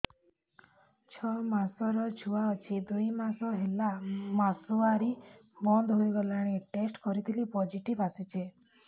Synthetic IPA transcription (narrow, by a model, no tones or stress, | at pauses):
t͡ʃʰɔmasɔɾɔt͡ʃʰuwaɔt͡ʃʰid̪ujmasɔɦelamasuaɾibɔnd̪ɦojɡɔlaɽ̃eʈesʈkɔɾit̪ʰilipɔd͡ʒiʈibasit͡ʃʰe